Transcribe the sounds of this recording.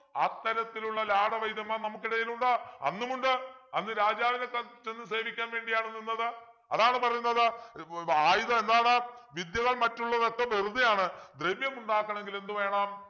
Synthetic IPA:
ɐ̰t̪ːɐɾɐt̪ːiluɭːɐlaːɽɐʋɐjd̪jɐmːaːnɐmukːiɽɐjiluɳɖɨɐ̰nːumuɳɖɨɐnːɨɾaːd͡ʑaːʋinekːɐt͡ɕe̞nːɨse̞ːʋikʲːaːnʋe̞ːɳɖijaːɳenːenːɐðɨ | ɐðaːɳɨpɐrɐjunːɐðɨ | aːjiðɐe̞nd̪aːɳɨʋid̪jɐɣɐɭmɐtːuɭːɐðet̪ːɐʋeruðijaːɳɨd̪reʋjɐmuɳɖaːkːɐɳe̞ŋɡile̞nd̪uʋe̞ːɳaːm

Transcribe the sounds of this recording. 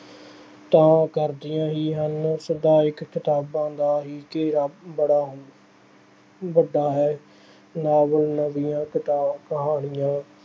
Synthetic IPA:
t̪ãːkəɾd̪ɪjãːɦiːɦənsəd̪aːɪkkɪt̪aːbãːd̪aːɦiːkeːɾaːbəɽaːɦ | ʋəɖaːɦɛː | naːʋəlnəʋijãːkɪt̪aːbkəɦaːɳɪjãː

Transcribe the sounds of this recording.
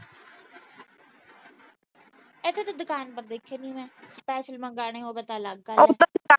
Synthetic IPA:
ɪt̪ʰːeːt̪ad̪ʊkaːnpəɾd̪eːkʰːeːnĩːmɛ̃ːspɛːsəlmə̃ŋɡaːɽ̃eːɦoːbeːt̪aːlaɡ̚ɡaː

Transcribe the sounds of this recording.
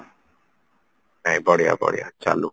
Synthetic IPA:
najbɔɽija̰bɔ̰ɽḭja̰t͡ʃalu

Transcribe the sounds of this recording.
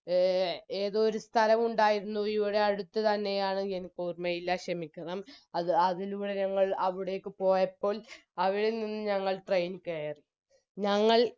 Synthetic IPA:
e̞ːðoːɾust̪ʰɐlɐmuɳɖaːjiɾunːuiʋiɽe̞ɐɽut̪ːɨt̪ɐnːe̞jaːɳɨenkuːrmɐjilːɐɕrɐmikʲːɐɳɐmɐðɨɐðiluːɽeɲɐŋːɐɭɐʋiɽejokːɨpo̞ːjɐpːo̞ːlɐʋiɽenːinːɨɲɐŋːɐɭʈrɐjnkeːri | ɲɐŋːɐɭ

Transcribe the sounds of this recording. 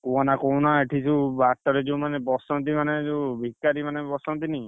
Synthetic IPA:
kuanakɔwnaeʈʰit͡ʃʰubaʈːɔɾed͡ʒewmanebɔsɔnt̪imaned͡ʒewbʱikːaɾimanebɔsɔnt̪ini

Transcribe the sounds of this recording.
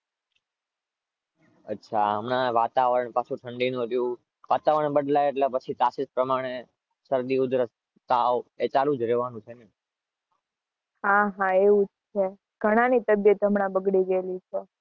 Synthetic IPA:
ətːʃʰaəmnaʋat̪aʋəɾɳpat͡ʃʰũʈʰəɳɖinũɾjũ | ʋat̪aʋəɳbəɖlajeʈlepət͡ʃʰit̪asɪspɾəmaɽ̃e | səɾd̪iud̪ɾə | t̪aʋet͡ʃalũd͡ʒɾɛʋanũt͡ʃʰene | hãɦãeʋũd͡ʒt͡ʃʰe | ɡʱəɽ̃anit̪əbjət̪ɦəmɽabəɡɽid͡ʒelit͡ʃʰo

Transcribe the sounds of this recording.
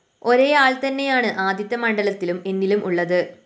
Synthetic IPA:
o̞ɾe̞ːaːɭt̪ɐnːe̞jaːɳɨʔaːd̪ʱjɐt̪ːɐmɐɳɖɐlɐt̪ːilume̞nːilumʔuɭːɐðɨ

